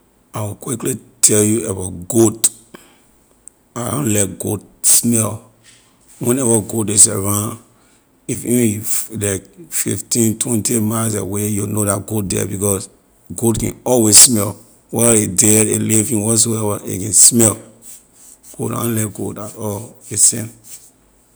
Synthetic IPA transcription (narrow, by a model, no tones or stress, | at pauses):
awikwiklitʰɛljuɛvaɡod | adõ̰nlɛkɡodsmɛl | wɛ̃nɛvaɡoteseɹãn | ifivĩlakfḭftĩntwɛ̃ntimaɪlsḛwejunodatɡot̚dɛ̰bikɔs | ɡotkɛ̰̃nɔlwezsmɛl | wɛedɛdelivĩnwɔ̃s̬oɛvaḛkɛ̃nsmɛl | ɡ̥oda̰dõnlɛtɡo̰tatɔlesɛ̃n